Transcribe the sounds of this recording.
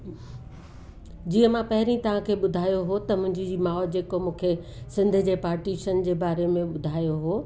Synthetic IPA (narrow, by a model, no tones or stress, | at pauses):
d͡ʑiːə̃mãpɐɦɪɾĩt̪ɐʋ̤ãkʰeːɓʊd̪ʱaːjoɦot̪ɐmʊ̃ɦɪ̃ɲd͡ʑimaːɔd͡ʑeːkomũːkʰesɪ̃nd̪ʱd͡ʑeːpaːɾʈiːʃənd͡ʑeːbaːɾemẽɓʊd̪ʱaːjoɦoː